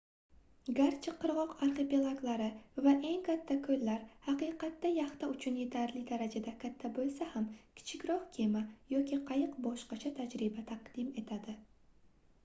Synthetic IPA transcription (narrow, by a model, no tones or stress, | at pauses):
ɡaɾt͡ʃʰɪqʰːɨɾʁɒqaɾχe̞pelˠaɡlˠaɾɪvaʔe̞ŋkʰat̪ʰːakʰɵllːaɾhɑqɨjqɑt̪ːajɑχt̪aʊt͡ʃʰʊnje̞t̪ʰaɾlɪd̪aɾad͡ʒad̪akʲʰat̪ʰːabolˠsahamkʲʰɪ̥t͡ʃʰɪkʲɾɒqkʲʰe̞majɒkʲʰiqʰɑjɨqbɒʃqɑt͡ʃʰat̪ʰad͡ʒɾɪbat̪ʰaqd̪̥ime̞t̪ʰad̪ɪ